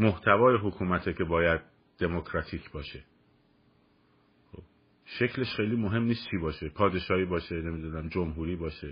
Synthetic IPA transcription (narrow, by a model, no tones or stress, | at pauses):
moht̪ʰævɒːjeɦokʰuːmæt̪ʰekʰe̞bɒːjæd̪̥̚ | d̪̥e̞mokʰɾɒːt̪ʰiːkʰbɒːʃe̞ | xo̰b̥ | ʃe̞cʰle̞ʃxejliːmoɦe̞mniːst̪t͡ʃʰiːbɒːʃe̞pʰɒːd̪e̞ʃɒːhiːbɒːʃe̞ne̞mid̪uːnæmd͡ʒomɦuːɾiːbɒːʃe